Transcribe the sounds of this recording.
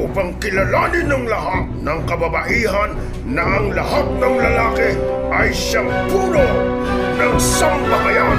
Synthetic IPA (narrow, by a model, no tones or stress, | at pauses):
uːpaŋkɪlalanɪnɐŋlaɦat̪̚nɐŋkɐbabaʔiɦanː | ɐʔaŋlaɦat̪̚nɐŋlɐlakɪ | ʔajʃaŋpuːlo | nɐŋsaŋpɐmaja